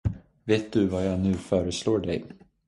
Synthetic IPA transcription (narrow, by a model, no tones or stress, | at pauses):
veːt̪̚d̪ɵvajanʉ̟ːfœːɾəsloːɖɛ̰j